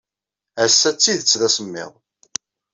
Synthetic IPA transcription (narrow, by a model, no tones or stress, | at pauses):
æsːæt͡sːiðət͡sːðæsəmːɪ̰ðˤ